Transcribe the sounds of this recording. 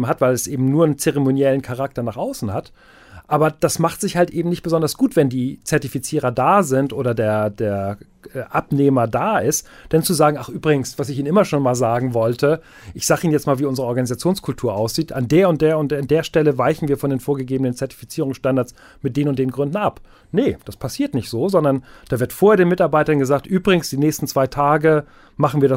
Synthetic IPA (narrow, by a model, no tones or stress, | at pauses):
ɦatv̥aɪlɛsʔeːbm̩nuːɐnt͡sɛʁɛmonjɛlən̩kʰaʁak̚tɐnaːχʔaʊsn̩hat | ʔaːbɐd̥asmaχtz̥ɪçhaltʔeːbm̩nɪçt̚b̥əzɔndɐsɡ̥uːtv̥ɛndiːt͡sɛɐtifit͡siːʁɐdaːzɪntʔoːɾɐdeːɐdeːɐ | ʔɛːʔapneːmɐdaːʔɪstd̥ɛnt͡suzaːɡŋ̩ʔaχʔyːbʁɪɡŋ̩sv̥asɪçiːnʔɪmɐʃoːnmaːlzaːɡŋ̩vɔltʰə | ʔɪçz̥aːɡəiːnjɛt͡stmaːlviːʔʊnzəʁəʔɔɐɡanizat͡sjoːnskʰʊltʰuːɐʔaʊsz̥iːtʔa̰ndeːɐʊnt̚d̥eːɐʊntandeːɐʃtɛləvaɪçn̩viːɐfɔndeːnfoːɐɡəɡeːbənənt͡sɛɐti̥fit͡siːʁʊŋsʃtandaɐt͡s | mɪt̚d̥eːnʊntd̥eːnnɡʁʏndn̩ap | nəd̥aspʰasiːɐtnɪçtz̥oːzɔndɐnd̥aːvɪɐtfoːɐeɐdeːnmɪtaɐbaɪtɐnɡəzaːk̚tʔyːbʁɪɡŋ̩sd̥iːnɛːçstn̩t͡sv̥aɪtʰaːɡə | maχn̩viːɐɾa